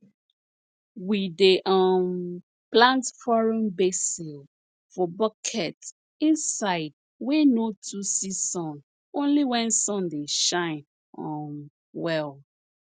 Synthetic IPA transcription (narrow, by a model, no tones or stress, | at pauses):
wideʔaɔm | plãntfɔɹɔ̃nbesil | fɔbɔkʰɛt | ĩnsaɪd̚ | wenotʰusisɔ̃n | õnliwɛ̃nsɔ̃ndeʃãɪ̃n | ɔ̃m | wɛl